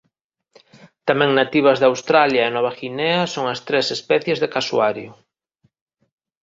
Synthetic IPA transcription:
t̪amɛ̃ŋnat̪iβ̞ɐzðawst̪ɾaljaenɔβɐxineɐsoŋɐst̪ɾesespɛθjezðekasuaɾjʊ

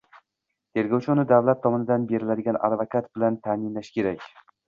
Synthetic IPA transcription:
t̪ʰe̞ɾɡʲɒwt͡ʃʰʊnɪd̪avlat̪ʰːɒmɒnɪd̪anbe̞ɾɪlad̪ɪɡʲana̰d̪vakʰat̪bɪlant̪ʰamɪnlaʃkʲe̞ɾakʲ

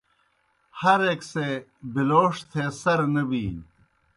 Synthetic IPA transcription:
hɐɾeksebiloːʂt̪ʰesɐɾnɐbiːn

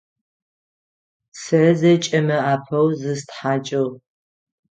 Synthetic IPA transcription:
sɨzɐt͡ʃʼɐmɐaːpʰɐwzɨstħaːt͡ʃʼɐw

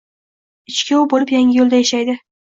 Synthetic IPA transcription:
ɪt͡ʃkʲaʊbolɪpjaŋɪjolˠd̪ajaʃajd̪ɪ

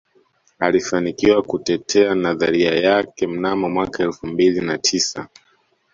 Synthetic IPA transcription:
alifanikiwakutɛtʰɛanaðaɾiajakɛm̩namɔmwakaɛlfumbilinatʰisa̰

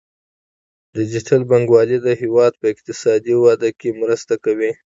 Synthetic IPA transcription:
d̪əd͡ʒitʰalbaŋɡwɑlid̪əɦewɑd̪̚pəɪq̚t̪ɪsɑd̪iwɑd̪əkemɾəst̪akawi

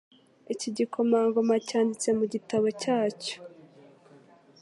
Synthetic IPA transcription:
iciɟikʰo̞maːŋɡo̞macaːndit͡se̞muɟitaβo̞caːco̥

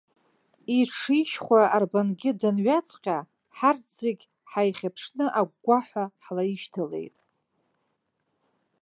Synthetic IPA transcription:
iʈ͡ʂʰiʃχʷaʔarbanɡʲɪdanɥat͡sʰʼqʲʼa | ħarzeɡʲ | ħajχʲapʰʂnɨʔaɡ̚ːʷaħʷaħlaiʃtʰale̞̰jtʼ

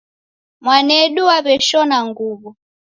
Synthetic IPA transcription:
mwanɛɗuwaβɛʃɔnaŋɡuːβu

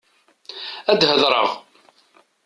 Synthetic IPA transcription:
æd̪həðˤɾˤə̰ʁ

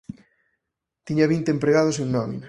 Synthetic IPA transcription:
t̪iɲɐβint̪empɾeɣaðʊs̬eŋnɔmḭna

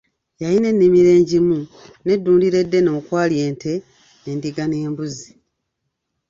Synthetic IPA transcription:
jajinenːimiɾe̞ːɲɟimune̞dːuːndiɾe̞dːe̞no̞ːkwaːlje̞ːnte̞ | nendiɡane̞ːmbuzi

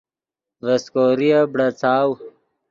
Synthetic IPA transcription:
veskoːɾijabɽat͡saːw

